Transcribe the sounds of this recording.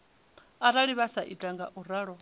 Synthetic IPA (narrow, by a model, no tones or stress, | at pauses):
aɾaɺiβasaʔitʼaŋɡaʔuɾaːɺɔ